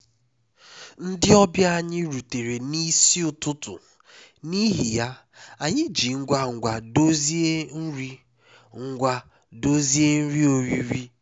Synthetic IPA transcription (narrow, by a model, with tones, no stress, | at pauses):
n̩˦dɪ˦ɔ˦bja˦a˨ɲɪ˦ɾu˨te˨ɾe˨ni˦si˦ʊ˨tʊ˦tʊ̰˨ | ni˦ɦi˨ja˦ | a˨ɲɪ˦d͡ʒi˨ŋ̩˦ɡʷa˦ŋ̩˨ɡʷa˨do˦zi˦e˦n̩˦ɾi˦ | ŋ̩˦ɡʷa˦ | do˦zi˦e˦n̩˦ɾi˦o˨ɾi˦ɾi˦